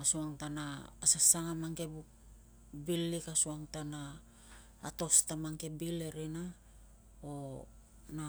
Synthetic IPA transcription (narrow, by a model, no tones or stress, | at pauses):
asuaŋtanaːsasaŋamaŋke̞buk | bilːikasuaŋtanaː | to̞stamaŋke̞bile̞ɾena | o | na